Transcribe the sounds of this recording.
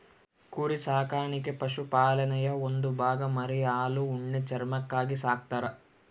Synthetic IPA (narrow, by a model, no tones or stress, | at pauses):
kuːɾisaːkaːɾɳikepɐʃupaːlɐnɐjɐond̪ubʱaːɡɐmɐɾɛjaːluːɳːet͡ʃɐɾmɐkːaːɡisaːk̚t̪aɾɐ